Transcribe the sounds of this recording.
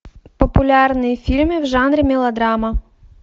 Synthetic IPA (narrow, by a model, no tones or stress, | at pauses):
pɔpʊlʲɑrnɪjfʲilʲmɪwʒɑnɾɪmʲɛlˠɐd̪ɾɑmɐ